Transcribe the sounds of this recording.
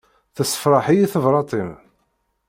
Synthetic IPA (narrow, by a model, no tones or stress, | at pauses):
θəsə̥fɾˤɑħijiθəvɾˤɑt̪ˤim